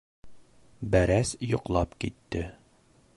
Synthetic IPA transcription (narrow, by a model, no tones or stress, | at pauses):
bæɾæsjŏqlˠɑpkit̪ːɘ